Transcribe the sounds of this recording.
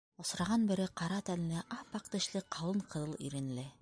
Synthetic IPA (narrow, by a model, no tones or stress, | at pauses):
ŏsɾɑʁɑnbɘ̆ɾɘqɑɾɑt̪ænlɘʔɑpɑqt̪ɘ̆ʃlɘqʰɑwˠɤɴqɤ̆ðɤlˠḭɾɘ̆nlɘ